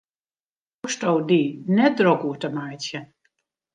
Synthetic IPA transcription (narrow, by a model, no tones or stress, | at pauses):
ustowdinɛt̚drokuətəmajtjə